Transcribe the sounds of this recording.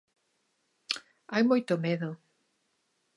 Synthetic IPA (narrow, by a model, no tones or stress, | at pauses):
ajmojt̪ʊmeðʊ